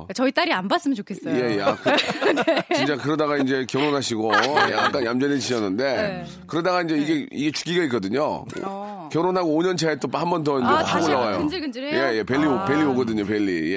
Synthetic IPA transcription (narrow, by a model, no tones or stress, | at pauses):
t͡ɕʌit͈aɾianbas͈ɯmjʌnt͡ɕokʰeʌje̞jak | t͡ɕit͡ɕ͈akɯɾʌdaɡaind͡ʑe̞kjʌɾonɦaɕʰiɡoja̰kk͈anjamd͡ʑʌnet͡ɕiɕʰʌnːɯnde̞ | kɯɾʌdaɡaind͡ʑe̞iɡe̞ḭɡe̞t͡ɕu̥k͈iɡaik͈ʌdɯɲo̰ | kjʌɾonɦaɡoːɲʌnt͡ɕʰaet͈ophambʌnt̬ʌind͡ʑeɦaɡooɭːaɡajod͡ʑje̞jepeʎːiopeɭʎːioɡʌdɯɲope̞ʎːḭje